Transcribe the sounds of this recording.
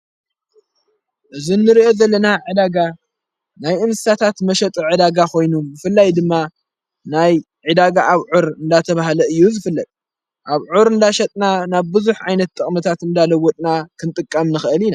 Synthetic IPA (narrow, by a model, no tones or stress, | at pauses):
ʔɨzinːɨɾiʔo̞zɐlːɐnaʕɨd̪aɡa | najʔɨnsɨ̥sat̪ʰat̪mɐʃɐt̪ʼiʕɨd̪aɡakʰo̞jnubɨfɨlːajd̪ɨmːa | naj | ʕɨd̪aɡaʔaβʕuɾɨnd̪at̪ʰɐβaɦlɐɨjːuzɨfɨlːɐkʼ | ʔaβʕuɾɨnd̪aʃɐt̪ʼnanaβbɨzuħʕajnɐt̪̚ːʼɨχʼmɨt̪ʰat̪ɨnd̪alɐwːɔt̪ʼnakʰɨnt̪ʼɨkʼːɐmnɨxʔɨlina